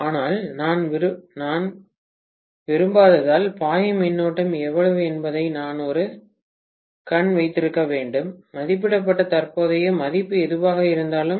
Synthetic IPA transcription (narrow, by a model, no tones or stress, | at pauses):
aːnaːlnaːnnaːn | ʋɪɾɯmbaːðɐðaːlpaːjɐmɪnːoːʈːɐmɛʋːɐɭɐʋɯɛnbɐðɐɪnaːnɔɾɯ | kɐɳʋɐɪt̪ːɪɾɯkːɐʋeːɳɖɯmːɐðɪp̬ːɪɽɐp̬ːɐʈːɐt̪ɐrpoːðɐjɐmɐðɪpːɯɛðɯʋaːɣɐɪɾɯnd̪aːlɯm